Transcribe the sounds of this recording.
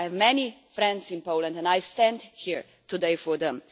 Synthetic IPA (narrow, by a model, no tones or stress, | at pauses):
ɛvmɛnifɾɛ̃ndsɪ̃npoʊlə̃ndɛ̃ndajstɛ̃ndhiɹ | tudeɪfɔɹðɛ̃m